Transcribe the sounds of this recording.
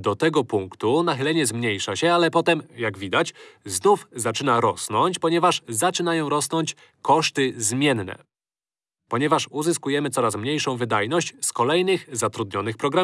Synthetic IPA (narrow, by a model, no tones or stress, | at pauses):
d̪ɔt̪ɛɡɔpuŋkt̪unaxɘlɛɲɛzmɲejʂaɕɛalɛpɔt̪ɛmjaɡvʲid̪at͡ɕznufzat͡ʂɘnaɾɔsnɔɲt͡ɕpɔɲɛvaʂzat͡ʂɘnajɔ̃w̃ɾɔsnɔɲt͡ɕ | kɔʂt̪ɘzmʲjɛnːɛ̰ | pɔɲɛvaʂuzɘskujɛmɘt̪sɔɾasmɲejʂɔ̃w̃vɘd̪ajnɔɕt͡ɕskɔlɛjnɘxzat̪ɾud̪̚ɲɔnɘxpɾɔɡɾa